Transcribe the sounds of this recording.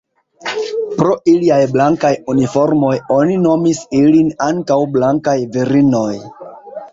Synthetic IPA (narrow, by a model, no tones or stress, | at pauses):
pɾo̞ʔiliajblaŋkajunifo̞ɾmo̞jo̞nino̞misilinaŋkawblaŋkajviɾino̞j